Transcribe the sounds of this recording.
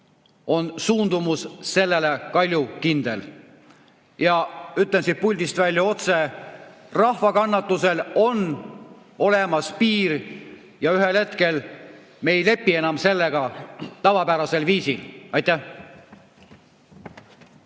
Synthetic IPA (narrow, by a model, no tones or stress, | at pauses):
o̞nsuːnd̪umusse̞lːelekɑlʲjukind̪̥e̞l | jɑyt̪ˑlensid̪̚pulʲd̪ist̪vælʲjɑo̞t̪se̞ | rɑhvɑkɑnːɑt̪ːˑuse̞lo̞n | o̞le̞mɑspiːr | jɑyɦelhe̞t̪ke̞l | me̞ːjle̞pːie̞nɑmse̞lːeɡ̥ɑt̪ɑvɑpæɾɑse̞lviːsilɑjt̪æh